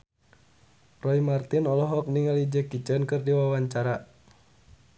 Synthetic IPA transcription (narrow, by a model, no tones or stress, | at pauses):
rɔimart̪inɔlɔɦɔk̚niŋalid͡ʒəkit͡ʃənkɨrdiwawaɲt͡ʃaɾa